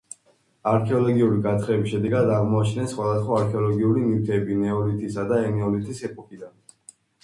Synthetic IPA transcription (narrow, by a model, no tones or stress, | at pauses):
aɾkʰɛɔlˠɔɡiuɾiɡat̪ʰɾɛbisʃɛd̪ɛɡad̪aʁmɔat͡ʃʰnɛsχwad̪asχwaaɾkʰɛɔlˠɔɡiuɾinivt̪ʰɛbinɛɔlit̪ʰisad̪aɛnɛɔlit̪ʰisɛpʼɔkʼid̪an